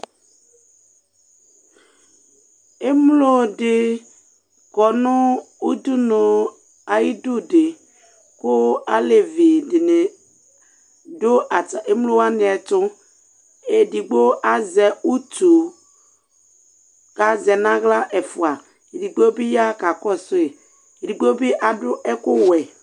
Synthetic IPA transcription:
e˦mlo˦dɪ˨ | kɔ˨nʊ̃˦ | u˦du˦no˨ | a˨ji˦du˦dɪ˨ | kʊ˦a˦le˨vi˨dɪ˨nɪ˨ | dʊ˦ʔa˨ta˨ʔe˦m˦lo˦wa˦nɪ˨ɛ˨tʊ˦ | e˨di˨ɡ͡bo˦ʔa˦zɛ˨u˦tu˨ | ka˨zɛ˨na˦ɣla˦ʔɛ˨fu˨a˨ | e˨di˨ɡ͡bo˦bi˦ja˦ka˨kɔ˦˨sʊ˦e˨ | e˨di˨ɡ͡bo˦bi˦ʔa˨dʊ˦ɛ˦kʊ˦wɛ˨

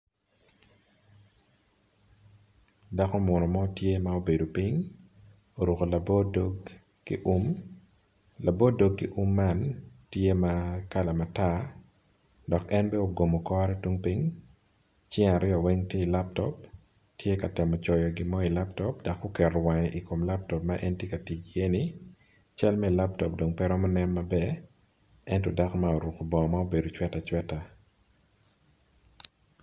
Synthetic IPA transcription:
da˨ko˦mɔ˨nɔ˨mɔ˦tje˦mao˦be˨do˨pi˦ɲ | o˨ɾu˨ko˨la˨bd | ʔm | la˨bo˦do˦ɡkːi˦ʔu˦mːa˦˨ntje˦ma˦ka˦la˨ma˨ta˦ | dɔ˨kɛ˦nbɛ˦o˨ɡo˨mo˨kɔ˦ɾɛ˦twu˦ŋpi˦ŋ | t͡ʃɪ˦ŋa˨ɾɪɔ˨wɛ˦ŋtje˦i˨la˦p̚tɔ˦p | tje˦ka˨tɛ˨mɔ˨t͡ʃɔjɔ˨ɡɪ˦mɔ˦i˨la˦ptɔ˦p̚da˨kːo˦kɛ˨ɾɔ˨wa˨ɲɛʔi˨ko˨mla˦p̚tɔ˨p̚maʔɛ˦ntje˦ka˨ti˨t͡ʃie˦ni | t͡ʃa˦lmɛ˦i˨la˦p̚tɔ˨p̚do˨ŋpɛ˦ɾɔ˦mɔ˦nɛ˦nmabɛ | ɛ˦ntɔ˨da˦kmao˨ɾu˨ko˨bɔ˨ma˦o˦be˨do˨t͡ʃwɛ˦ta˨t͡ʃwɛ˦ta˨

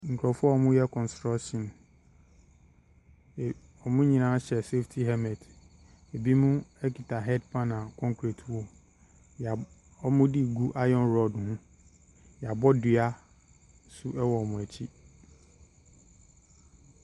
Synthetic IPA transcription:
ŋ̩˨kʰɾɔ˨fʊ˦ɔ˦ɔ˨mʊ̃˦jɛ˦kʰɔ̃˨nstɾa˦kʃɔ̃˨n˨ | ɔ˨mʊ̃˦ɲĩ˨nã˦ɕɛ˨se˦ftʰi˨ɦɛ˦mɛ̃˨d | e˨bi˦mʊ̃˦ɛ˦ki˨tʰa˨ɦɛ˦dpʰã˦nã˨kʰɔ̃˦ŋkʰɾi˨tʰwɔ˨ | j | ɔ˦mʊ̃˦di˦ɡu˦ʔa˦jɔ̃˦nɾɔ˨dhʊ̃˦ | jɛ˨a˨bɔ˦dɪ˨a˦ | sʊ˦ɛ˦wɔ˨mʊ̃˨æ˨t͡ɕʰi˦

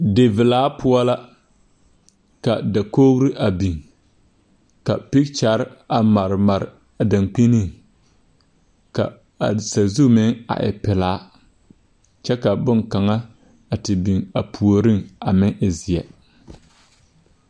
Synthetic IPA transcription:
de˨vɪ˨laː˨˦pʰʊ˦ɔ˦la˦ | ka˨da˨koː˦ɣɾi˦ʔa˨bi˨ŋ | ka̰˨pi˦k̚t͡ʃa˨˦ɾa˨ma˨ɾma˨ɾ | a˨da˨ŋk͡pi˦ni˦˨ŋ | ka̰˨ | a̰˨sa˨zu˦mɪ˦ŋa̰˨ʔɪ̰˨pɪ˨laː˨˦ | t͡ʃɛ˦ka˨bʊ˦ŋka˨ŋa˦ | a˨tɪ˨bi˨ŋa˨pʰu˨o˨ɾi˦ŋa˨mɪ˦ŋʔɪ˨zɪ˨ɛ˨

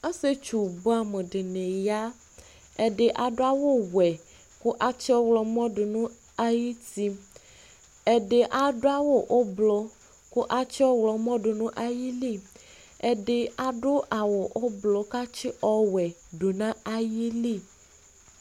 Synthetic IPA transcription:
a˦se˦t͡ʃu˨bo˦a˨me˨ɖe˨nẽ˨ja˦ | ɛ˨ɖe˨ʔa˨ɖo˦a˦wo˦wɛ˨ | ku˦ʔa˦t͡ʃi˦ɔ˦wlɔ˨mɔ̃˦ɖo˨nũ˦ | a˦ji˦t̪i˦ | ɛ˨ɖe˨ʔa˨ɖo˦a˦wo˦ʔo˦blɔ˨ | ko˦ʔa˦t͡ʃi˦ɔ˦wlɔ˨mɔ̃˦ɖo˨nũ˦ʔa˦ji˦li˦˨ | ɛ˨ɖe˨a˨ɖo˦ʔa˨wɔ˨ʔo˦blɔ˨ka˦t͡ʃi˦ʔɔ˦wɛ˨ | ɖo˨nã˦a˦ji˦li˦˨

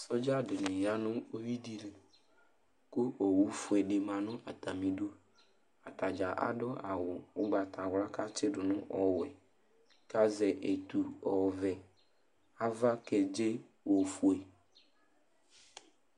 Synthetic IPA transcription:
sɔ˦d͡ʒa˦ɖɪ˨nɪ̃˨ja˦nʊ̃˦o˦wi˦di˦le˨ | kʊ˦ʔo˨wu˦fu˨ɛ˨ɖe˨mã˨nʊ̃˦ʔa˨t̪a˨mĩ˨ɖo˦ | a˨t̪a˨d͡ʒa˨ʔa̰˨ɖɔ˦a˨wʊ˨wʊ˦ɡ͡ba˨t̪a˨wla˦ka˦t͡ʃɪ˦ɖʊ˨nʊ̃˦ʔɔ˦wʊ˨ɛ̰˨ | ka˦zɛ˨ʔe˨t̪u˨ɔ˨vɛ˨ | a˦va˦kɛ˨d͡ʒe˦ | wo˨fu˨e˨

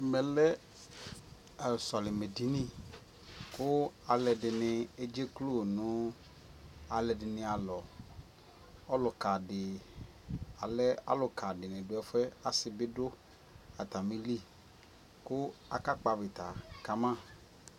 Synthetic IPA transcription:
mɛ˨lɛ˦ | a˨sɔ˨lɪ˨me˨di˨nĩ˦˨ | kʊ˦a˨lɛ˨dɪ˨nɪ̃˨e˦d͡ʒe˦klo˦˨nʊ̃˦ | a˨lɛ˨dɪ˨nɪ̃˨a˨lɔ˨ | ɔ˦lʊ˨ka˨dɪ˨ | a˨lɛ˦a̰˦lʊ˨kʰa˨dɪ˨nɪ̃˨dʊ˨˦ɛ˦fɛ˦a˨sɪ˨bɪ˦dʊ˦ | a˨t̪a˨mĩ˦li˦ | kʊ˦a˨ka˦k͡pa˨bɪ˨t̪a˨ka˨mã˦˨

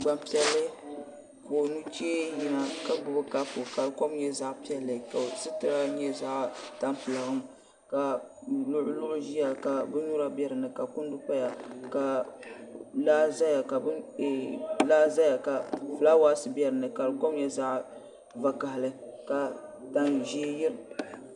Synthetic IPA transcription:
ɡ͡ba˨mpi˦ɛ˦lːɨ˦ | ko˨nu˦t͡ʃe˦ji˦na˨ka˦bʊ˨bɨ˦ka˦fʊ˨ka˨lɨ˨ko˦mɲɛ˦za˦ʔpi˦ɛ˦lːɨ˨ka˨sɨ˦tɨ˦ɾa˦ɲɛ˦za˦ʔta˦mpɨ˨la˨hʊ˦m | ka˨lʊ˦ʔʊ˦lʊ˦ʔʊ˦ʒi˦ja˨ka˨bɨ˦ɲu˦ɾa˦bɛ˦ɾɨ˨nɨ˨ka˨kʊ˦n˦dʊ˦pa˦ja˨ka˨ | laː˦za˦ja˨ka˨bɨ˦˨ | laː˦za˦ja˨ka˨fɨ˨la˦waː˦sɨ˨bɛ˦ɾɨ˨nɨ˨ka˨lɨ˨ko˦mɲɛ˦za˦ʔ | va˦ka˨hɪ˨lɨ˦ka˨ta˦nʒi˦jɪ˦ɾ

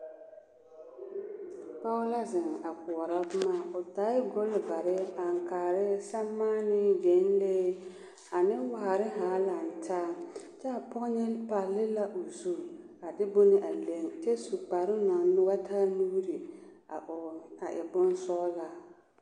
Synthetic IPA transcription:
pa˦ʊ˦la˦zɪ˨ŋa˨kʊ˨ɔ˨ɾa˦bʊ˦maː˦˨ʊ˨taː˨˦ɪ˦ɡʊ˦lba˨ɾɪ˦a˨ŋ˨kaː˨ɾɪ˦sa˦mːaː˦nɪ˦d͡ʒe˨˦n˦leː˦ | a˨nɪ˦wa˨a˨ɾɪ˦ɦa˨˦la˨n˨tʰaː˦ | t͡ʃɛ˦a˨pʊ˦ɲɛ˦pa˨lːɪ˦la˦ʔo˨zu˦˨ | a˨dɪ˦bʊ˦nɪ˦ʔa˨le˦ŋt͡ʃɛ˦su˨k͡pa˨ɾɪ˦na˨ŋ˦nɪ˦wa˦tʰaː˦nu˦ɾi˨ | a˨ʔɪ̰˨bʊ˦n˦sɔː˦la˨

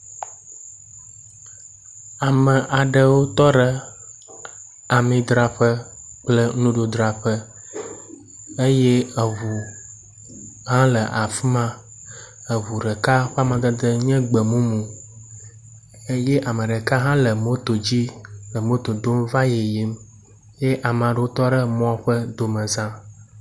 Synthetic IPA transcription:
a˨mə˨ʔa˨ɖə˨wo˦t̪ɔ˦ɖə˨ | a˨mĩ˨d̪ɾa˨ɸə˦ | k͡plə˦nũ˦ɖo˨d̪ɾa˨ɸə˦ | e˦je˦ə˨ɦu˨ | ɦã˦lə˨ʔa˨fi˦mã˦ | ə˨ɦu˨ɖɛ˨ka˦ɸa˦mã˨ɡə˦d̪ə˦ɲɛ̃˦ɡ͡bə˨mũ˦mũ˨ | e˦je˦ʔa˨mə̃˨ɖɛ˨ka˦ɦã˦lə˨mo˦t̪o˨d͡ʑi˦lə˨mo˦t̪o˨d̪o˦mva˦je˨ji˦m | je˦ʔa˨m˨ã˨ɖo˦o˦t̪ɔ˦ɖə˦mɔ̃˦ɸə˦d̪o˨mə̃˨zã˦

